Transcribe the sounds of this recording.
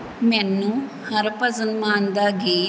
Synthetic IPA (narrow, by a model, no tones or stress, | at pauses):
menːu | hɐɾpɐzunmaːnd̪aɡeː